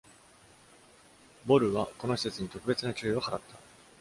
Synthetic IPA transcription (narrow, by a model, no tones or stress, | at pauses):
bo̞ɾɯ̟βako̞no̞çi̥se̞t͡sɨɲ̟it̪o̞kɯ̟be̞t͡sɨnat͡ɕɨːiohaɾat̪ʰːḁ